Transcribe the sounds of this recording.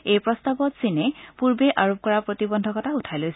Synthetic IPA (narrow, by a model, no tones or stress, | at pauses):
ejpɹɔstabɔtsinɛpuɹbeʔaɹop̚kɔɹapɹotibɔndʱɔkɔtautʰajlojs